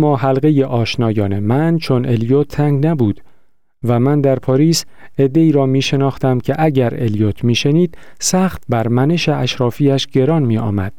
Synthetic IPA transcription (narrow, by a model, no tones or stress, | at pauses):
mːɒːɦælɣe̞je̞ʔɒːʃnɒːjɒːne̞mænt͡ʃʰo̞ne̞ljot̪ʰːæŋɡnæbuːd̪̥ | væmænd̪æɾpʰɒːɾiːs | e̞d̪ːe̞iːɾɒːmiːʃe̞nɒːxt̪æmcʲʰe̞ʔæɟæɾe̞ljot̪ʰmiːʃe̞niːd̪̥̚sæːxt̪̚bæɾmæne̞ʃe̞ʔæʃɾɒːfiːæʃɟe̞ɾɒːnmiːʔɒ̰ːmæd̪̥